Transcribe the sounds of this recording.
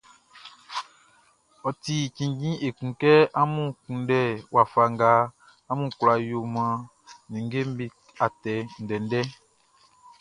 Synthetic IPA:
ɔ˨ti˨kĩ˨ɡĩ˦e˨kũ˨kɛ˦a˦mũ˦kũ˨ndɛ˦˨wa˨fa˨ŋɡa˨ | a˦mũ˦kla˨jo˨mã˨ | nĩ˨ŋ˦ɡe˦m˦bi˦ | a˨tɛ˨n̩˨dɛ˨n˦dɛ˦

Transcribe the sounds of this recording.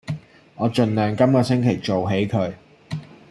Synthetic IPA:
ŋɔː˨˧t͡ʃɵ˨˧nlœː˨ŋkɐ˥mkɔː˧sɪ˥ŋkʰe˨˩jt͡so˨wɦe˨˥jkʰɵ˨˧ɥ

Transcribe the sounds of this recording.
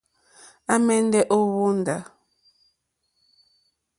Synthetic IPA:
a˦mɛ˦n˦dɛ˦ʔo˦wo˦n̩˨da˨

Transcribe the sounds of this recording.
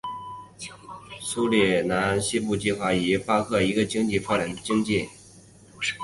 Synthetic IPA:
su˥ljɛ˥˩na˧˥nɕi˥pu˥˧t͡ɕi˥˧xwa˥˩i˧˨˥pa˥kʰɤ˥˩i˧˥ɡə˧t͡ɕi˥ŋt͡ɕi˥˧fa˥˩ʈ͡ʂa˧˥nə˧t͡ɕi˥ŋt͡ɕi˥˩

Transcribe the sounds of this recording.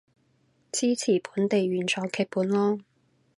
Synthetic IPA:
t͡sʰiː˥t͡sʰiː˨˩pʰuː˨˥nt̪e˨jɥyː˨˧nt͡sʰɔː˨˥˩ŋkʰɛː˧k̚puː˨˥nlɔː˥

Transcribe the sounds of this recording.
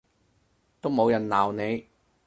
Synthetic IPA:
t̪o˥wmo˨˧wjɐ˨˩nlaː˨˩wne˨˧j

